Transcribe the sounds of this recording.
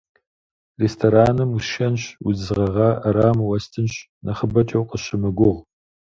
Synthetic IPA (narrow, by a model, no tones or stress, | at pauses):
restʰoɾaːnɨmuʃɐnɕwuzɨʁɐʁɑʔɐɾaːmwɐstʰɨnɕ | nɐχəbɐt͡ʃʼɐwqəɕɪmɨɡʷʊʁ